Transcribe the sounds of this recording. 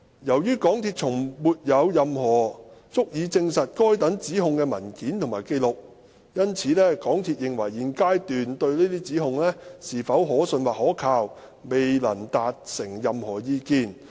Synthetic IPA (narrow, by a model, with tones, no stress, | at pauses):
jɐ˨˩wjyː˥kɔː˨˥ŋt̪ʰiː˧˨t̚t͡sʰʊ˨˩ŋmuː˨t̚jɐ˨˧wjɐ˨mhɔː˨˩t͡sʊ˥k̚jiː˨˧t͡sɪ˧ŋsɐ˨t̚kɔː˥jt̪ɐ˨˥ŋt͡siː˨˥ɦʊ˨˧ŋkɛː˧mɐ˨˩nkiː˨˥nt̪ʰʊ˨˩ŋmaː˨˩jke˧jlʊ˨k̚ | jɐ˥nt͡sʰiː˨˦lɛː˥kɔː˨˥ŋt̪ʰi˧˨t̚jɪ˨ŋwɐ˨˩jːiː˨nkaː˥jt̪yː˨nt̪ɵ˧ɥliː˥t̪iː˥t͡siː˨˥ɦʊ˨˧ŋlɛː˥siː˨˩fɐ˨˥wɦɔː˨˥sɵ˧nwaː˨˩hɔː˨˥kʰaː˧w | me˨jlɐ̰˨˩nt̪aː˨t̚sɪ˨˩ŋjɐ˨mhɔː˨˩jiː˧kiː˧n